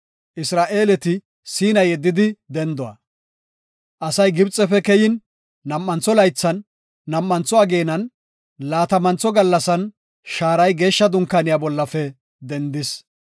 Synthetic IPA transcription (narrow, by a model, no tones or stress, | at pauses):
ʔɪsɾaːʔe̞ːlɛt̪ɪ | siːnɐjɛd̪ːɪd̪ɪd̪ɛnd̪ɔwɐ̰ | ʔɐsɐjɡɪbt͡sʼːɛfɛkɛjɪnː | ɐmːɐnt͡sːɔlɐjt͡sːɐnː | ɐmːɐnt͡sːɔɐɡe̞ːnɐn | laːt̪ɐmɐnt͡sɔɡɐlːɐsɐn | ʃaːɾɐjɡe̞ːʃːɐd̪ʊŋkːanɪjaːbɔlːɐfɛ | d̪ɛnd̪ɪs